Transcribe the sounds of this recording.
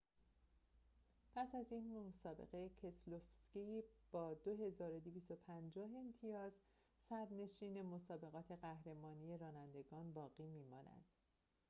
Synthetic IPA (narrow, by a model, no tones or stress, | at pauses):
pʰæsæziːnmomsɒːbe̞̰ɣejecʰeslofscib̥ɒːd̪oɦe̞zɒːɾo̞d̪eviːst̪o̞pʰænd͡ʒɒːɦe̞nt̪ʰijɒːz | sæd̪ne̞ʃiːne̞mo̞sɒːbe̞ɣɒːt̪ʰe̞ɣæhɾe̞mɒːnije̞ɾɒːnænd̪e̞ɡɒːnbɒːɣiːmiːmɒːnæ̰d̪̥